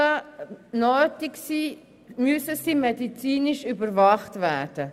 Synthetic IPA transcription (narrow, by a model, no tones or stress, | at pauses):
ənøːtɪksiː | møsəsiːmɛdit͡siːnɪʃybəɾvɑχtvæːrd̥ə